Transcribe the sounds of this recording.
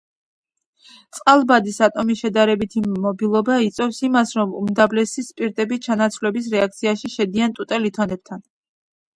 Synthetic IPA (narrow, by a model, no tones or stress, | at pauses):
t̪sʼqʼalˠbad̪isat̪ʼɔmiʃɛd̪aɾɛbit̪ʰimɔbilˠɔbait̪sʼwɛfsimasɾɔmṵmd̪avlɛsispʼiɾt̪ʼɛbit͡ʃʰanat̪sʰvlɛbis̬ɾɛak̚t̪sʰiaʃiʃɛd̪iant̪ʼut̪ʼɛlit̪ʰɔnɛb̚t̪ʰan